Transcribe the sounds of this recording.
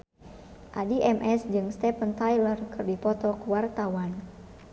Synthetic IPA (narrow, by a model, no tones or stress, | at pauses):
ʔadiʔɛmʔɛsd͡ʒɨŋst̪ɛpənt̪ajlərkɨrdipɔt̪ɔkuwart̪awan